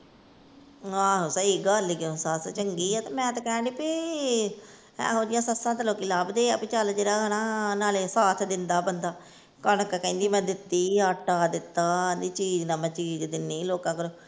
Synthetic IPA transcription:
ɦãːɦoːsəiːɡəːliɡesaːt̪t͡ʃəŋɡiːɛːt̪aːmɛ̃ːt̪akɛ̃ːɖiːpi | ɛ̰̃ːɦoːd̪ɪjãːsəsãːt̪eloːkiːlabd̪eːɛːpɪt͡ʃald͡ʒeːɾaːnãːnaːleːsaːt̪ʰd̪ɪnd̪aːbənd̪aː | kənəkkəĩːnd̪iːmɛ̃ːd̪ɪt̪ːiːaːʈaːd̪ɪt̪ːaːd̪iːt͡ʃiːd͡ʒnãːmɛ̃ːt͡ʃiːd͡ʒd̪ɪnːiːloːkãːkəɾoː

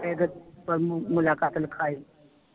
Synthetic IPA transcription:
eːɡəpɐɾmʊlaːkaːt̪lɪkʰaːiː

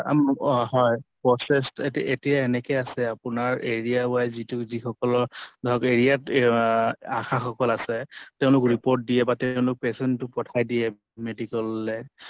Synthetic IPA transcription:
a̰mɦɔjpɹɔsestetetijaenɛkɛjasɛapʊnaɹeɹijaʊajzitʊzixɔkɔlɔɹdʱɔkeɹijat | a̰xaxɔkɔlasɛteʊ̃lʊkɹipoɹt̚dijɛbateʊ̃lʊk̚pesɛntːʊpɔtʰajdijɛ | medikɔlːɛ

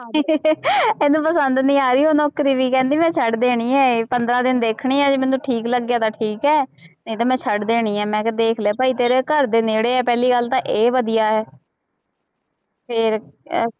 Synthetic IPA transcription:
eːnũːpəsənd̪nĩːaːɾiːɦoːnɔːkɾiːʋiːkɛ̃ːnd̪iːmɛ̃ːt͡ʃʰəɖd̪eːɽ̃iːɛːpənd̪ɾaːd̪ɪnd̪eːkʰɽ̃iːɛːd͡ʒeːmɛ̃nũːʈʰiːkləɡːjaːt̪ãːʈʰiːkɛːnəĩːt̪ãːmɛ̃ːt͡ʃʰəɖd̪eːɽ̃iːɛːmɛ̃ːd̪eːkʰleaːpaːiːt̪eːɾeːkəɾd̪eːneːɽeːɛːpɛːliːɡəlt̪ãːʔeːʋəd̪ijaːɦɛː | pʰɪɾ

